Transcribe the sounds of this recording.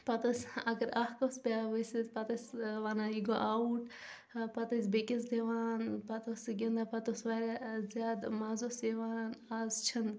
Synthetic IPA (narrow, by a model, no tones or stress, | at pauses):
pɐt̪ɐsʲɐɡɐɾahkɐsbʲaːʋəsipɐt̪ɐsʲʋanaiɡoʔauʈ | pɐt̪ɐsʲbekis̬d̪eʋaːnpɐt̪osɡind̪apɐt̪osʋaːɾazjaːd̪maːzoːseʋaːnanaːzt͡ʃʰɐn